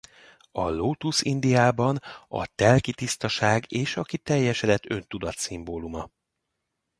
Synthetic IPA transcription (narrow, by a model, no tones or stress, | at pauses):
ɒ̰loːt̪usind̪ijaːbɒnɒ̰t̪ɛlkit̪ist̪ɒʃaːɡeːʃɒkit̪ɛjːɛʃɛd̪ɛt̪ːø̞nt̪ud̪ɒt̪simboːlumɒ